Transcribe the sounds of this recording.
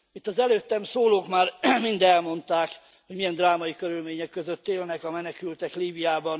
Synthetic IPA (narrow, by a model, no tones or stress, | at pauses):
it̪ːɒzɛløːt̪ːɛmsoːloːkmaːrmind̪ɛlmo̞nt̪aːk | hoɟmijɛnd̪raːmɒjikøɾylmeːɲɛkːøzøt̪ːeːlnɛkɒmɛnɛkylt̪ɛkliːbijaːbɒn